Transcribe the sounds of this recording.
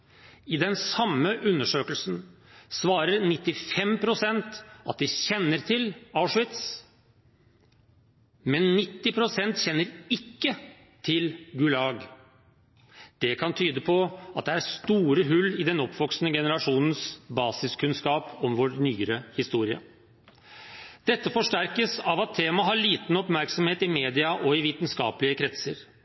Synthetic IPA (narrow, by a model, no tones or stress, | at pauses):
ɪd̪ɛnsɑmːəʔʉnːəʂøːkəlsn̩sʋɑːɾəɾnɪt̪ːɪfɛmpʰɾʊsɛnt̪ɑt̪̚d̪ɪçɛnːəɾt̪ʰɪlɑʊʂʋɪt̪s | mɛnːɪt̪ːɪpʰɾʊsɛnt̪çɛnːəɾɪkːə | t̪ʰɪlɡʉlɑːɡ | d̪̥ɛkʰɑnt̪ʰyːd̪əpʰɔɑt̪̚d̪ɛæɾst̪uːɾəɦʉlːɪd̪ɛnɔpʰʋɔksnəɡɛnəɾɑʂuːnən̩sbɑːsɪskʉnskɑːpɔmʋɔɾnyːɾəhɪst̪uːɾɪɑ̰ | d̪̥ɛt̪ːəfɔʂʈæɾkəsɑʋɑt̪ʰːeːmɑɦɑɭiːt̪n̩ɔpmæɾksɔmheːt̪ɪmeːd̪ɪɑʔɔɪʋiːt̪nskɑ̰ːpəlɪəkʰɾɛt̪səɾ